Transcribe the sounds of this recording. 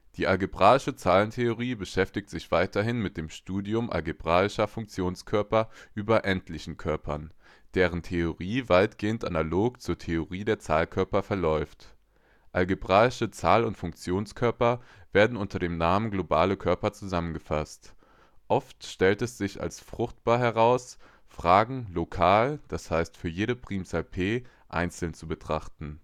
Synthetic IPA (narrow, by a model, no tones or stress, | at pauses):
d̥iːʔalɡebʁaːɪʃət͡saːləntʰeoʁ̞iːbəʃɛftɪk̚tz̥ɪçv̥aɪtɐɦɪnmɪt̚d̥eːmʃtuːdiʊmʔa̰lɡebʁaːɪʃɐfʊŋk̚t͡sjoːnskʰœɐpɐʔyːbɐʔɛntʰlɪçn̩kʰœɐpʰɐn | d̥eːʁ̞əntʰeoʁiːvaɪtɡ̥eːəntʔanaloːkt͡suːɐtʰeoʁiːdeːɐt͡saːlkʰœɐpɐfɛɐlɔʏft | ʔalɡebʁaːɪʃət͡saːlʊntfʊŋk̚t͡sjoːnskʰœɐpɐveːɐdn̩ʔʊntʰɐdeːmnaːmənɡlobaːləkʰœɐpɐt͡suzamənɡəfast | ʔɔftʃtɛltɛsz̥ɪça̰lsfʁ̥ʊxt̚b̥aːɐɦɛʁ̞aʊs | fʁ̥aːɡŋ̩lokʰaːld̥ashaɪstfyːɐjeːɾəpʁ̥iːmt͡salpʰeː | ʔa̰ɪnt͡sl̩nt͡subətʁ̥aχtn̩